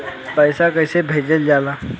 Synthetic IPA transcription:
pəɪsakəɪsebʱeːd͡ʒəld͡ʒaːlaː

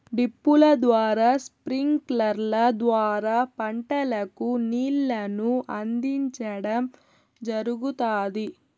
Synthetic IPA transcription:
ɖipːulɐd̪ʋaːɾaːspɾiŋklɐɾlɐd̪ʋaːɾaːpɐɳʈɐlɐkuniːlːɐnuʔɐnd̪iɲt͡ʃɐɽɐm | d͡ʒɐɾuɡut̪aːd̪i

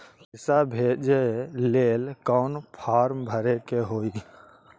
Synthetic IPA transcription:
ɪsabʱeːd͡ʒeleːlkɔːnpʰaːɾmbʱəɾekeɦoːi

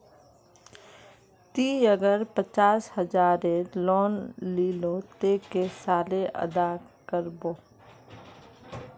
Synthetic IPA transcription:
t̪iəɡəɾpət͡ʃaːshəd͡ʒaːɾeloːnliːlot̪eːkesaːleʔə̰d̪akəɾboː

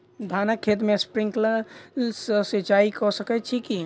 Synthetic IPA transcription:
d̪ʱaːnakʰːeːt̪mẽspɾɪ̃ŋkləsəset͡ʃaːikosəkət͡ʃʰiki

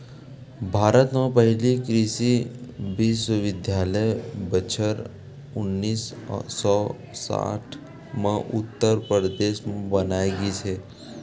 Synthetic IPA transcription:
bʱaɾət̪məpəɦilikɾisiʋisuʋɪd̪ʱjaləjbət͡ɕʰəɾ | unːiːssɔ | sa̰ʈʰ | mə̃ʔut̪ːəɾpəɾəd̪eʃmbənajɡit͡ʃʰe

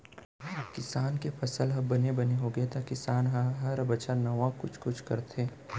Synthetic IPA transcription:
kɪsaːnkepʰɐsəlɦɐbbɐnebɐneɦoɡɐet̪akɪsaːnɦɦɐɾɐbɐt͡ʃʰaɾnɐʋãkʊt͡ʃʰkʊt͡ʃʰkɐɾt̪ʰẽː

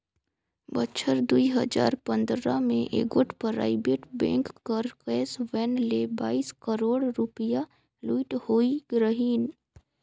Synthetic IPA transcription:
bətːt͡ʃʰəɾd̪uiɦəd͡ʒa̰ːɾpə̃nd̪ɾamẽʔḛɡoːʈʰpəɾa̰ːibeʈbɛ̰̃ːŋkːəɾkɛːsʋɛːnlebaːiskəɾoːɽɾʊpəja | luiʈhoːiɡɾəɦiːn

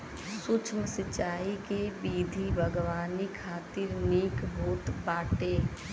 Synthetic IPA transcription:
sʊt͡ʃʰməsɪt͡ʃaːikebiːd̪ʱibʱəɡʋaːnikʰaːt̪iɾniːkbʱuːt̪baːʈeː

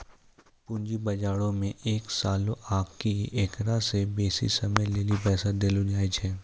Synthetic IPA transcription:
pʊ̃ːɲd͡ʒibɐd͡ʒaːɽõmẽʔeːksaːlõʔaːkkieːkɾasebeːsḭsɐməjleːlipɛːsad̪elud͡ʒaːit͡ʃʰɛː

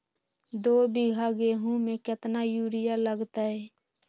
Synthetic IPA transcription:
d̪oːbɪɡʱaɡeːɦũmẽkət̪najuːɾɪjaləɡt̪aɦɛ

